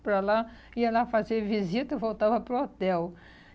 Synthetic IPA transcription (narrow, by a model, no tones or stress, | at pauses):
pɾɐlaiɐlafaziɐvizit̪ɐvowt̪avɐpɾuot̪ɛw